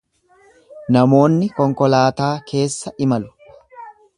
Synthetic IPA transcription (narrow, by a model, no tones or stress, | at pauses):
nɐmo̞ːnːɪkɔŋkɔlaːt̪aːkʰe̞ːsːɐʔɪmɐlʊ̥